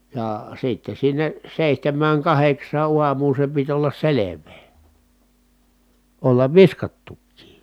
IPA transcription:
jɑˑ sitːe sinːe seˑihtæmːæːŋ kɑheksˑɑː uɑmˑuːn̞ se pit olːɑs seleʋˑeː olːɑʋ ʋiskɑtːukːiːj

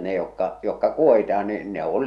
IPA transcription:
ne jokːɑ jokːɑ kuohitɑh̞ɑ̥ niː ne ol

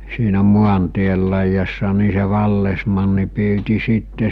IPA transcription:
siːnæ muɑntiel lɑijɑsːɑ ni se ʋɑlːesmɑnːi pyːti sitːe

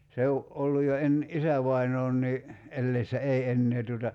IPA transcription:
se o ʔolːuj̆ jo en isæʋɑinoːnːiː elːeisːæ ei enːeː tuotɑ

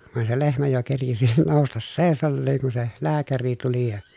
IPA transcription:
ʋɑˑen se lehmæ jo kerkisi noˑustɑs seˑi̯sɑlːeːŋ kun̞ se læːkæri tuli jɑ

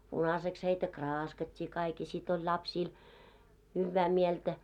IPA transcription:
punɑseks heitæ krɑːskɑtʲːiː kɑik jɑ sit olʲ lɑpsiːl hyʋːæː mieltæ

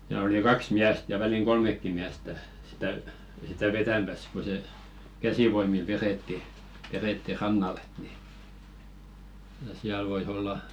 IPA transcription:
jɑ oli kɑks miæst jɑ ʋæliŋ ɡ̊olmekːi miæstæ sitæ sitæ ʋetæmæs ko se kæsiʋoimil ʋeretːi ʋereˑtːi rɑnːɑlˑ et ni jɑ siæl ʋois olːɑ

